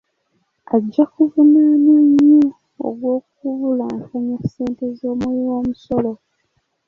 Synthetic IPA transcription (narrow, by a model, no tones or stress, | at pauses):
aɟːakuvunanaɲːu | o̰ɡwo̞ːkuvulaːŋkaɲakseːnte̞zo̞ːmweiwoːmuso̞lo